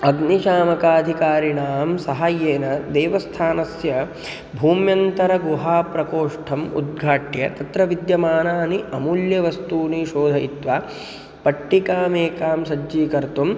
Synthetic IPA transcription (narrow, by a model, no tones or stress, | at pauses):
ɐɡniʃaːmɐkaːd̪ʱikaːɾiɳaːmsɐɦajeːnɐd̪eːʋɐst̪ʰaːnɐsjɐ | bʱuːmjɐnt̪ɐɾɐɡuɦaːpɾɐkoːʂʈʰɐmṵd̪̚ɡʱaːʈjɐt̪ɐt̪ɾɐʋid̪jɐmaːnaːniʔɐmuljɐʋɐst̪uːniʃoːd̪ʱɐit̪ʋaː | pɐʈːikaːmeːkaːmsɐd͡ʒiːkɐɾt̪um